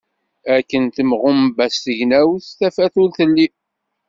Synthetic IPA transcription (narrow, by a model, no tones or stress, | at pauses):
ækːənt̪əmʁʊmbæst̪əʝnæwθθæfæθulθəlːi